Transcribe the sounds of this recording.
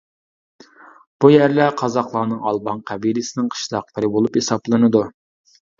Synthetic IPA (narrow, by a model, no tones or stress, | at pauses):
b̥ujæɾlæqʰɑzɑqlˠɑːnɨŋɑlˠbɑŋqʰæbilɪsɪnɪŋqʰə̥ʃlˠɑq̚pəɾɪbolˠuphesɑblˠɨnɨd̪u